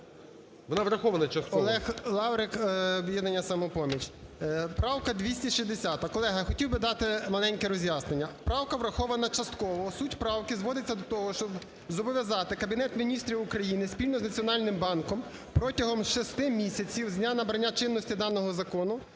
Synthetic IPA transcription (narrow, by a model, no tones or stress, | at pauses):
ʋɔnɑʋɾɐxɔʋɐnɐt͡ʃɐst̪kɔɔlˠɛxlˠɑwɾɪkɔbjɛd̪nɐnʲːɐsɐmɔpɔmʲit͡ʃpɾɑwkɐd̪ʋʲisʲtʲiʃizd̪esʲat̪ɐkɔlˠɛɦɐxɔtʲiwbɪd̪ɑt̪ɪmɐlˠɛnʲkɛɾɔzʲjasnenʲːɐpɾɑwkɐʋɾɐxɔʋɐnɐt͡ʃɐst̪kɔʋɔsutʲpɾɑwkɪzʋɔd̪ɪt͡sʲːɐd̪ɔt̪ɔɦɔʃt͡ʃɔb | zɔbɔʋʲjɐzɑt̪ɪkɐbʲinɛt̪mʲinʲist̪ɾʲiʊkɾɐjinɪsʲpʲilʲnɔznɐt͡sʲiɔnɑlʲnɪmbɑnkɔm | pɾɔtʲɐɦɔmʃɪst̪ɪmʲisʲɐt͡sʲiwzʲnʲanɐbɾɐnʲːat͡ʃɪnːɔsʲtʲid̪ɑnɔɦɔzɐkɔnʊ